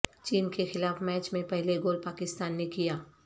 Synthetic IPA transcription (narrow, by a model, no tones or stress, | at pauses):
t͡ʃiːnkexɪlaːfmɛːt͡ʃmẽpɛɦleɡoːlpaːkɪst̪aːnːekijaː